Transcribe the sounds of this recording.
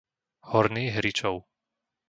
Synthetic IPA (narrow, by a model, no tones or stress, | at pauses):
hɔɾniːɦɾit͡ʃɔʊ